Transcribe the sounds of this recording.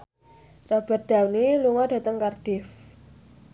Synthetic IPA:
rab̥a̤t̪̚d̪̥a̤wniluŋɔɖ̥a̤t̪əŋkard̥ɪf

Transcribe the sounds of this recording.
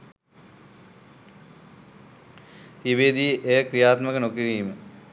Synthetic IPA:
iʋed̪iːʔeːkrijaːt̪mɐkɐnokiɾiːmə

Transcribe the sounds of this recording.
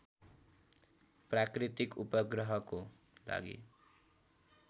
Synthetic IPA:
prakrit̪ikupʌɡrʌɦʌko | la̰ɡḭ

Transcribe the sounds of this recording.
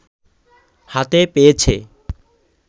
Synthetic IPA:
hat̪epejet͡ɕʰe

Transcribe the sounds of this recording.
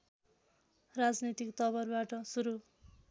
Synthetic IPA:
rad͡znit̪ikt̪ʌbʌrbaʈʌsuɾu

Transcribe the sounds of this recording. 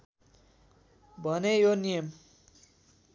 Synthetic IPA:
bʱʌnejonijʌm

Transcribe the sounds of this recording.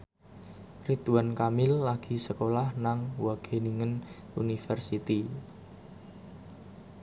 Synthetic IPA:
rit̪uwankamɪlːaɡ̥i̤səkolahnaŋwaɡ̥e̤niŋən | unifərsit̪i

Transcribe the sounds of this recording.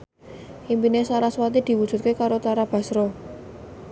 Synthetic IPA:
ʔimpinesaɾaswat̪id̪̥i̤wud̥ʒ̥ṳt̪̚kekaɾot̪aɾab̥a̤sɾɔ

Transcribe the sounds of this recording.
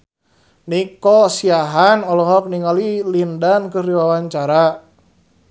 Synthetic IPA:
nikɔsiaɦanɔlɔɦɔk̚niŋalilindankɨrdiwawaɲt͡ʃaɾa

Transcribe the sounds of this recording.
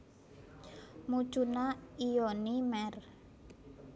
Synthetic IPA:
mu̥ʒ̥unaionimɛr

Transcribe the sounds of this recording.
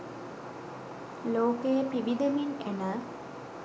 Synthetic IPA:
loːkəjəpiʋid̪eminenə

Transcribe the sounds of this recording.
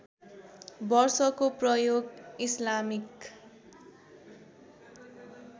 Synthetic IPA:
bʌrsʌkoprʌjoɡislamik

